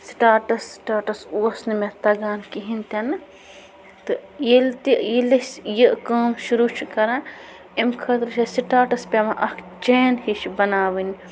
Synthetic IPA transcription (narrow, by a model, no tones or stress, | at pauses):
sʈaːʈɐsːʈaːʈɐsuɐsnɨmet̪ɐɡaːnkiɦint̪ʲɐnɨ | t̪ɨjilt̪ijilɐsjiʔkɐːmʃuɾut͡ʃʰukɐɾãːn | imkʰɐt̪ɾt͡ʃʰesiʈaːʈɐspʲemaʔɐkʰ | d͡ʒeːnhiʃbɐnaːʋin